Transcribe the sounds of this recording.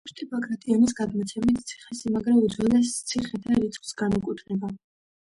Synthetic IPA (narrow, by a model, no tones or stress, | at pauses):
ust̪ʼipʰakʰʼɾat̪ʰʼiamis̬ɡad̪mɔt̪sʰɛmit̪ʰt̪sʰi̥χɛsimaɡɾaud̪zɔlɛst̪sʰiχɛt̪ʰaɾit̪sʰʼχʼsɡanukʼwit̪ʰnɛba